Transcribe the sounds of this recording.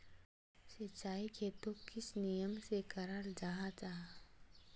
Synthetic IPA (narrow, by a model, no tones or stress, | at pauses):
sɪt͡ʃaːikʰet̪okɪsnijəmsekɐɾaɾd͡ʒaɦat͡ʃaːɦa